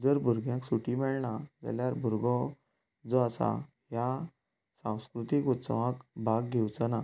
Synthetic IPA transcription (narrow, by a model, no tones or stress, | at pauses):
d͡zəɾbʱuɾɡjãŋksuʈimɛɭɳad͡za̰ljaɾbʱuɾɡɔ | d͡zoasa̰ | ɦja | sãw̃skɾut̪ikut̪sə̰ʋãkbʱaɡɡʱewt͡sana